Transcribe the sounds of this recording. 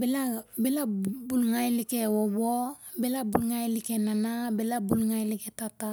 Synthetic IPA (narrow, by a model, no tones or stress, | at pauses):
bɛlabɛlabulŋajelikɛwɔbɔbɛlabulŋajelikɛnanabɛlabulŋajilikɛtata